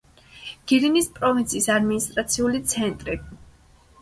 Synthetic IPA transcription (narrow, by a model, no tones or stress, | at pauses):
ɡ̥iɾinispʼɾɔvint̪sʰiːsad̪minist̪ʼɾat̪sʰiulit̪sʰɛnt̪ʼɾi